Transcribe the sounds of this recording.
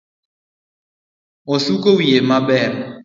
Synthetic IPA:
ɔsukowjemaɓɛm

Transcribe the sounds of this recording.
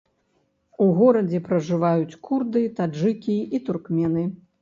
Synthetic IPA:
uɣɔɾɐd͡zʲɛpɾɐʐɨvajut͡sʲkurd̪ɨt̪aʐɨkʲiit̪urkmʲɛnɨ

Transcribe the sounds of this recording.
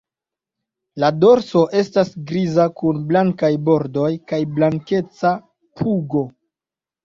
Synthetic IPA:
lado̞ɾso̞ʔe̞stasɡɾizakunblaŋkajbo̞ɾdo̞jkajblaŋke̞t͡sa | pʰuɡo̞

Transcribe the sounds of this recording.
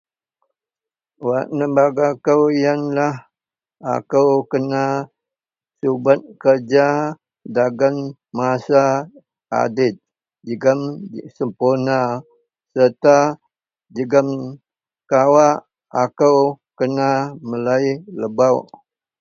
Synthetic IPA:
waʔnəmbaɡakəwijanlah | a̰kəwkəna | subat̪̚kərd͡ʒa | daɡan | masa | a̰dɪt̪̚ | d͡ʒəɡəmsəmpurna | sərt̪a | d͡ʒəɡəm | kawaʔ | akəwkənaməlailəbawʔ

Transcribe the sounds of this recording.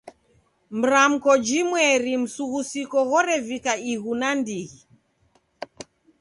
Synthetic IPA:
m̩ɾam̩kɔd͡ʒimwɛɾim̩suɣusikɔɣɔɾɛvikaiɣunandiɣi

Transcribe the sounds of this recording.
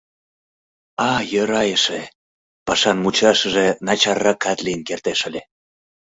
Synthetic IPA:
ɑjəɾɑjəʃe | pɑʃɑnmut͡ɕɑʃəʒenɑt͡ɕɑrːɑkːɑt̪lijənkert̪eʃəlʲe

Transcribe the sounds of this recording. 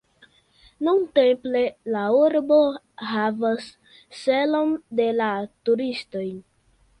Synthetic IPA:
nuntemplelauɾbo̞ | ɦavasː | elo̞nde̞latuɾisto̞j

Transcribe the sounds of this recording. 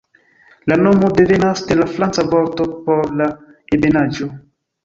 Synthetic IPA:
lanomodevenasdelaflant͡savɔɾt̪opoɾla | ebenad͡ʒo

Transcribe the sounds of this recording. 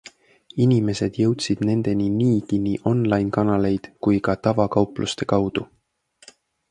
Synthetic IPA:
inime̞se̞d̪̥jɤwt̪sid̪̥ne̞nd̪̥e̞niniːkiniːʔo̞nlɑjnkɑnɑle̞jd̪̥kujkɑt̪ɑvɑkɑwplʔust̪e̞kɑwd̪̥u

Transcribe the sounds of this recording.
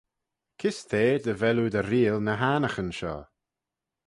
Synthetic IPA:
kʰɪst̪ʰeːd̪əvɛlud̪əɾiːlnəɦaːnəxənʃɔ̰ː

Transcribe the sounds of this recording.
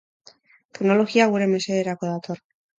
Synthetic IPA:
t̪eɡnoloxiaɣweɾemeseeɾakoðat̪oɾ

